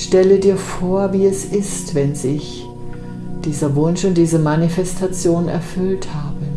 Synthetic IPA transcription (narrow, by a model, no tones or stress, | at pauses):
ʃtɛlədiːɐfoːɐviːɛsʔɪstv̥ɛnzɪç | d̥iːzɐvʊnʃʊnt̚d̥iːzəmanifɛstʰat͡sjoːnɛ̰ɐfʏlthaːbə